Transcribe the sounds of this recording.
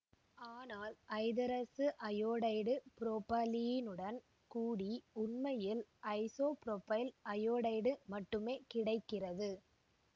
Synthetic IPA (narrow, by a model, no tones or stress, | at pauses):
aːnaːlʔɐɪðɐɾɐsɯʔɐjoːɽɐɪɽɯpɪɾoːpaːlijɪnɯɽɐn | kuːɽiʊnmɐjɪlʔɐɪsoːpɪɾoːpɐɪlʔɐjoːɽɐɪɽɯmɐʈːɯmeːkɪɽɐɪkːɪrɐðɯ